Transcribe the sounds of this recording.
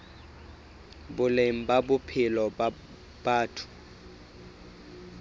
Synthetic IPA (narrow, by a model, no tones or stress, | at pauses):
bʊlem̩babʊpʰɪlɔ | b̥aːtʰʊ̥